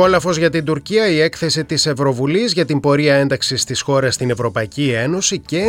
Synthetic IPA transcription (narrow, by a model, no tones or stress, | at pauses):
o̞lɐfo̞zʝɐt̪ind̪uɾciɐie̞kθe̞sit̪ise̞vɾo̞vulizʝɐt̪imbo̞ɾiɐe̞nd̪ɐksist̪isxo̞ɾɐst̪ine̞vɾo̞pɐicie̞no̞sice